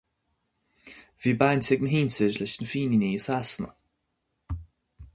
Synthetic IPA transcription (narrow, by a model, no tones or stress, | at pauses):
viːbantɪɡnəɦiːnsɪd͡ʒlɪʃnəfiːniniːəsasnə̰